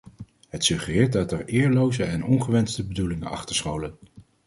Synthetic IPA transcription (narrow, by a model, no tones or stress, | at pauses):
ɦətsɵχərɪːɹt̚dɑtəɹɪːɹlowzəɛnɔnχəʋɛnstəbədulɪŋənɑ̰χtəɹsχowlən